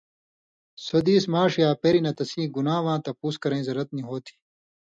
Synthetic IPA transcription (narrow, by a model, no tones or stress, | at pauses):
sod̪iːsmaːʂijaːpeɾinɐt̪ɐsĩːɡunaːʋãːt̪ɐpuːskɐɾẽĩzɐɾɐt̪̚niɦoːt̪ʰi̥